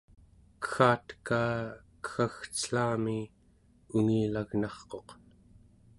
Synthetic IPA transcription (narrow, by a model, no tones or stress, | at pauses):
kə̥xaːt̪kaːkə̥xaxt͡sə̥ɬaːmi | uŋiːlaɣnɑχqo̞q